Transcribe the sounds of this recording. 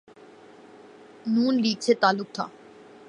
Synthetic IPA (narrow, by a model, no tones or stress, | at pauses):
nuːnliːk̚t͡ɕʰet̪aːlːʊk̚t̪ʰa̰ː